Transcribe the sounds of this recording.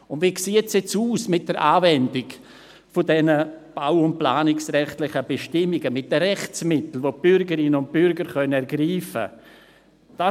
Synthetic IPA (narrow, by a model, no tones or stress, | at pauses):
ʊndvʋiːksiːtsjɛt͡suːsmɪt̚d̥əɾʔaːvɛndɪɡ | fodɛnəb̥aʊʊnt̚plaːnɪksɾɛχtlɪχəb̥eʃtɪmɪɡəmɪt̚d̥əɾɛχt͡smɪtl̩voːb̥ʏɾɡəɾɪnəʊnt̚b̥ʏɾɡəɾχœnɛɾɡɾiːfə̰ | d̥a